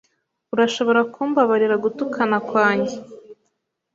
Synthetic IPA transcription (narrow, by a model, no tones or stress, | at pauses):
uɾaʃo̞βo̞ɾakʰuːmbaβaɾiɾaɡutukʰanakwaːɲɟe